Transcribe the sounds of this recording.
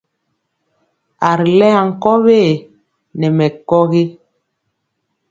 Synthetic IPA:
a˨ɾi˨lɛ˦a˨ŋ̩˨kɔ˦βeː˦˨ | nɛ˨mɛ˨kɔ˦ɣi˦

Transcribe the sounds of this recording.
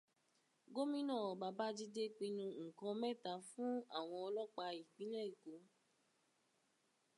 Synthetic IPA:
ɡo˦mĩ˦nɔ̃˦˨ba˨˧ba˦d͡ʒi˦de˦k͡pĩ˧nũ˧ŋ̩˨kɔ̃˨˧mɛ˦˨ta˨˦fũ˦a˦˨w̃ɔ̃˧ɔ˧lɔ˦k͡pa˧i˨k͡pĩ˨˦nɛ̃˦i˨ko˨˦

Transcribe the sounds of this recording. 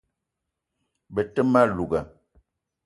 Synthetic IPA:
bə˨tə˦ma˦lu˨ɡə˨

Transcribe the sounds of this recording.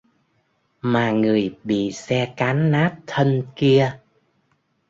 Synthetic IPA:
maː˨˩ŋɨ˨˩əjɓḭ˧˨sɛ˧kaː˨˦nːaː˦˥t̚t̪ʰə˧nki˧ə

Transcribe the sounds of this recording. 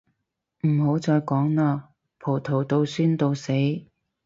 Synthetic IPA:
m̩˨˩ho˨˥wt͡sɔː˧jkɔː˨˥ŋnaː˧ | pʰo˨˩wt̪ʰo˨˩wt̪o˧wsyː˥nt̪o˧wse˨˥j

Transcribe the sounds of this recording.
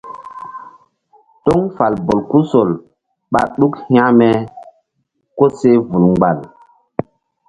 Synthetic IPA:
to˦ŋfa˨lbo˨lku˦so˨l | ɓa̰˨ɗu˦khĩ˦ã˦mɛ˨ | ko˦se˦vu˨lŋɡ͡ba˨l

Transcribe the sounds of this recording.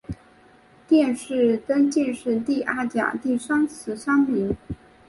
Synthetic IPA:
t̪jɛ˥˧nʂɻ̩˥˩k̪ə˥nt͡ɕi˥˧nʂɻ̩˥˧t̪i˥˧ʔa˥˩t͡ɕja̰˨˩t̪i˥˩ʂɑ˥ŋt͡sʰɹ̩˧˥ʂɑ˥ŋmi˧˥ŋ

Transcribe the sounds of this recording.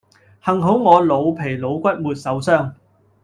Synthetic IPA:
hɐ˨˩ŋɦo˨˥wŋɔː˨˧lo˨˧wpʰe˨˩jlo˨˧wkʷɐ˥t̚muː˨t̚sɐ˨˧˥wsœː˥ŋ

